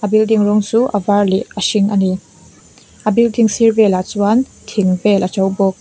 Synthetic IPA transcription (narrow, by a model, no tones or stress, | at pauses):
ʔabildiŋrɔŋt͡suʔavarliʔɐʃiŋʔani | ʔabildiŋsirbɛlat͡suantʰiŋpɛlʔat͡sɔwbɔk̚